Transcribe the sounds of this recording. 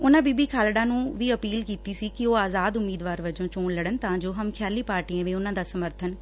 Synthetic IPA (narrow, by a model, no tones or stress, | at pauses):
ʊnãːbiːbiːkʰaːlɽãːnũːʋiːəpiːlkiːt̪iːsiːkɪoːaːzaːd̪ʊmiːd̪ʋaːɾʋəd͡ʒõːt͡ʃõːɽləɽənt̪ɐãːd͡ʒoːɦəmkʰjaːliːpaːɾʈiãːʋẽːʊnãːd̪aːsəməɾt̪ʰən